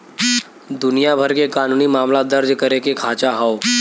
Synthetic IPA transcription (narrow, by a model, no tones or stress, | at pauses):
d̪ʊnijabʱɐɾkekaːnuːnimaːmlad̪ɐɾd͡ʒkɐɾekekʰaːt͡ʃaɦao